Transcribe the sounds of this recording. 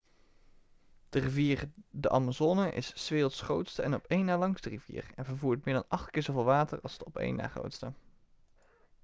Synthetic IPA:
d̥əriviːɹdəʔɑ̰mazoːnəʔɪ̰sːʋeːl̩ˠtsχrowtstəɛnɔpejnːaːɹlɑŋstərivḭːɹɛnvəɹvuːɹtmɪːɹdɑnɑχtkɪːɹzovɪːlˠʋaːtə̰ɹɑ̰lˠzdəɔpḛjnːa̰ːχro̰wtstə

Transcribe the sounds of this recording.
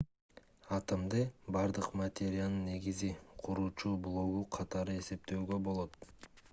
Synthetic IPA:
ɑt̪əmd̪ɯbɑɾd̪ɯqmɐt̪ʲeɾʲɪjanɯnːe̞ɡiziqʰuɾuːt͡ʃuːblˠo̞ɡuqʰɑt̪ɑɾɯe̞se̞p̚t̪øːɡø̞bo̞lˠo̞t̪̚

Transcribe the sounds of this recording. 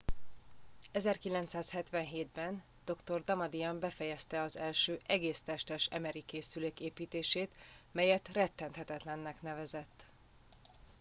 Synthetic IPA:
ɛzɛrkilɛnt̪saːshɛt̪ʋɛnɦeːd̪bɛn | d̪̥o̞kt̪o̞rd̪ɒmɒd̪ijɒmbɛfɛjɛst̪ɛɒzɛlʃøːʔɛɡeːst̪ɛʃt̪ɛʃɛ̰mɛɾikeːsyleːkeːpiːt̪eːʃeːt̪ | mɛjɛt̪rɛt̪ːɛnt̪hɛt̪ɛt̪lɛnːɛknɛvɛzɛt̪ː

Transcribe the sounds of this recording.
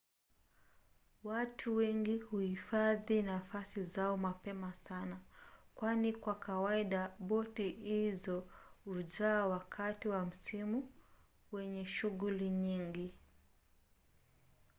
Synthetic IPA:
watʰuwɛŋɡihuhifaðinafasizaɔmapɛmasanakwanikwakawaiɗaɓɔtihizɔuʄaːwakʰatiwam̩simu | wɛɲɛʃuɣuliɲiŋɡi

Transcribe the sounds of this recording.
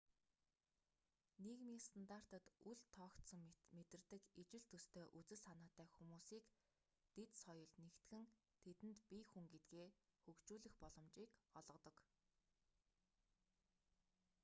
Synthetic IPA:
nekmʲiːŋst̪ʰant̪ar̥t̪ə̆t̪uɮt̪ʰːɔːkt̪sə̆ŋmet̪ɘ̆rt̪ɘ̆kit͡ɕɪ̆ɮt̪ʰɵst̪ʰeːʔut͡sɘ̆sanaːt̪æːxumuːsiːk | t̪et̪sɔjɞ̆ɮnekt̪ɡɘ̆n | t̪ʰet̪ɘ̆nt̪pixuŋɡet̪̚ɡeːxɵkt͡ɕuːɮɘ̆xpɔɮɞ̆mt͡ɕiːkɔɮʁɞ̆t̪ɞ̆k

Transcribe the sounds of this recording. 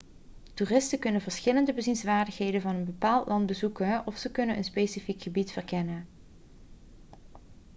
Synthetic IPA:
tuːrɪstəkɵnəvəɹsχɪləndəbəzinsʋaːɹdəxɦejdənvɑnənbəpaːlˠtlʔɑntbəzukənɔfsəkɵnənʔənspejsifikχəbitfərkɛnən

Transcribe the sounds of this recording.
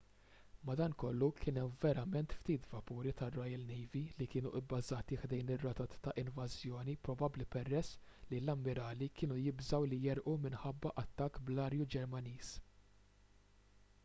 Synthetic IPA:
mɐd̪ɐːnkɔlːukʰɪnɛmvɛɾɐmɛnt̪ft̪iːt̪vɐpuːɾit̪ɐrɔjɐlnɛjvilikɪːnuʔɪbːɐzɐːt̪iħd̪ɛjnɪrːɐːt̪ɐt̪t̪ːɐʔɪnvɐzjɔːnipɾɔbɐblipɛrːɛsːlilɐmːɪɾɐːlikɪːnujɪbzɐwlijɛɾʔumɪnħɐbːɐʔɐt̪ːɐkːblɐːɾjud͡ʒɛɾmɐniːs

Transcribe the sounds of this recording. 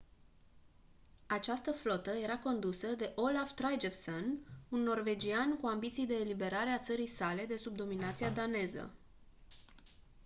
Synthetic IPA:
at͡ʃast̪əflo̞t̪əje̞ɾako̞nd̪usəd̪e̞ʔo̞laft̪ɾajd͡ʒefsonunːo̞rve̞d͡ʒiankuambit̪sijd̪e̞ːlibe̞ɾaɾeat̪səɾijsale̞d̪e̞sub̚d̪o̞minat̪siad̪ane̞zə̰

